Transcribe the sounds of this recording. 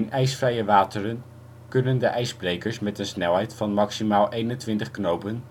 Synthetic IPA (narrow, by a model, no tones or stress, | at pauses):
nʔɛjsfrɛjəʋaːtərən | kɵnəndəʔɛjzbrejkəɹsmɛtənsnɛlˠɦɛjtfɑnmɑksimaːlˠʔejnəntʋɪntəχknowpən